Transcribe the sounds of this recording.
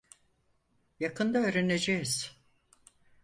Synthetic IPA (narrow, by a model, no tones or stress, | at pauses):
jakʰɯnd̪aøːɾene̞d͡ʒejiz̥